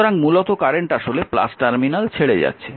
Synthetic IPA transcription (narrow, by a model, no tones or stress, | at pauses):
oɾaŋmulot̪okaɾeɳʈaʃolepla̰sʈaɾminalt͡ɕʰeɽed͡ʑa̰tːɕʰe